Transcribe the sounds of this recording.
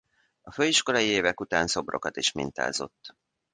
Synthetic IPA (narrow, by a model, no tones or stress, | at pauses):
ɒføːiʃko̞lɒjieːvɛkut̪aːnso̞bro̞̰kɒt̪iʃmḭnt̪a̰ːzo̞̰t̪ː